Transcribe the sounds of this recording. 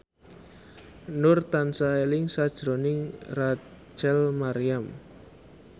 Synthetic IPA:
nʊrt̪ansaelɪŋsad̥ʒ̥ɾonɪŋrḁ | d͡ʒ̥ɛlmaɾiam

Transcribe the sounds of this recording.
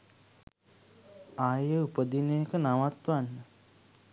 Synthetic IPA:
aːjəupəd̪inejekənaʋat̪ʋanːə

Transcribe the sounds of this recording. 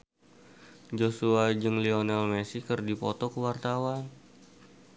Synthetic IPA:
d͡ʒosuad͡ʒɨŋlionɛlmɛsikərdipɔ̰t̪ɔkəwart̪awan

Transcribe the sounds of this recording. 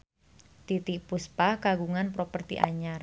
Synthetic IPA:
t̪it̪ikpuspahkaɡuŋanpɾopərt̪ḭʔa̰ɲar

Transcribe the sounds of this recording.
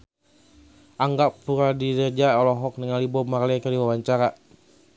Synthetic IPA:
aŋɡapuɾadidəd͡ʒaɔlɔɦɔk̚nəŋalibɔmarlɛkəɾiwawaɲt͡ʃaɾa

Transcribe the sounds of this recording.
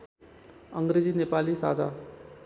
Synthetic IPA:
ʌŋɡɾed͡zinepalisa̰d͡za̰

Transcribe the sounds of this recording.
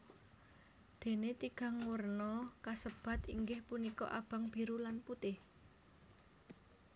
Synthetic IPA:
d̪̥e̤net̪iɡ̥a̤ŋwərnɔkasəb̥a̤t̪iŋɡɪhpunikɔ̰ʔa̰b̥a̤ŋb̥i̤ɾulanput̪ɪh

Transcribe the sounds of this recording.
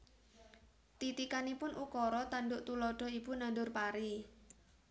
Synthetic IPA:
t̪it̪ikanipʊnʔukɔɾɔt̪anɖʊʔt̪ulɔɖ̥ɔ̤ib̥unandʊrpaɾi

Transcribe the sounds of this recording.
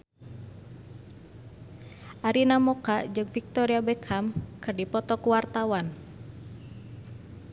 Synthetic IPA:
ʔaɾinamɔkad͡ʒɨŋfik̚t̪ɔɾiabɛkʰamkɨrdipɔt̪ɔkuwart̪awan

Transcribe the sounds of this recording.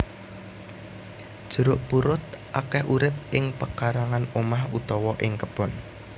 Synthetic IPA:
d̥ʒ̥ə̤ɾʊʔpuɾʊt̪̚ʔa̰kɛhʔuɾɪp̚ʔɪŋpəkaɾaŋanomahut̪ɔwɔʔɪŋkəb̥ɔ̤n

